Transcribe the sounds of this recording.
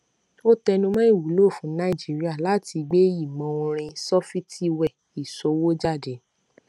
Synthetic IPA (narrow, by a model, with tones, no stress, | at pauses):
o˦tɛ˧nũ˧mã˦i˦˨wu˨˦lo˦˨fũ˨˦nã˦i˦˨d͡ʒi˨˦ɾi˦a˦˨la˨˦ti˧ɡ͡be˦i˦˨mɔ̃˨˦ũ˧ɾ̃ĩ˧sɔ˦fi˦ti˦wɛ˦˨ | i˨so˧wo˦d͡ʒa˦˨de˨˦